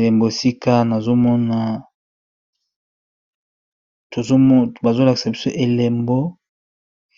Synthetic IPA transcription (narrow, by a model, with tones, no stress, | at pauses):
le˨mbo˨si˦ka˦na˨zo˦mɔ˦na˨ | to˨zba˨zo˦la˨ki̥˨sa˨bi˦so˦ʔe˨le˨mbo˦